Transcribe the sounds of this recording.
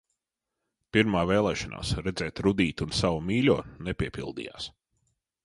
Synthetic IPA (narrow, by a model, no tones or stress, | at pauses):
piɾmaːvɛːlˠɛːʃanʔa̰ːsɾɛd̪zɛːt̪ɾud̪iːt̪unsawumiːlʲuːnɛpʲiɛpilˠd̪ḭːja̰ːs